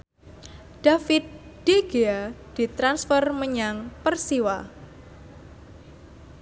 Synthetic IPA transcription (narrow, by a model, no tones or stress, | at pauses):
d̥afit̪̚d̥eɡ̥ead̪̥i̤t̪ɾansfərməɲaŋpərsiwa